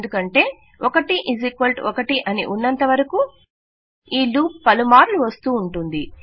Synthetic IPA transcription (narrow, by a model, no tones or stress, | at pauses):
nd̪ukɐɳʈe̞ː | okɐʈiʔizikʋɐlʈɔkɐʈiʔɐnḭʔunːɐnt̪ɐʋɐɾɐku | iːluːppɐlumaːɾluʋɐst̪uːɳʈund̪i